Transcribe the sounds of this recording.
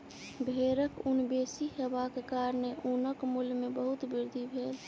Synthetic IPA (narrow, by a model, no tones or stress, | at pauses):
bʱeːɾəkʊnbeːsiɦəbakekaːɾneʔunəkmʊlmẽbəɦʊt̪bɪɾd̪ʱibʱeːl